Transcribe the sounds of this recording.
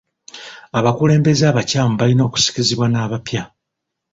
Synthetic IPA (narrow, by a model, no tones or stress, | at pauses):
aβakule̞ːmbe̞zaːβacaːmuβalino̞ːku̥si̥ciziβwanaːβapja